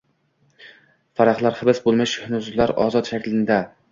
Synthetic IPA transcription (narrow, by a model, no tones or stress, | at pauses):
faɾaχlˠaɾhɪbɪsbolˠmɪʃhnʊzlaɾɒ̰zɒt̪ʃakʲlɪnd̪a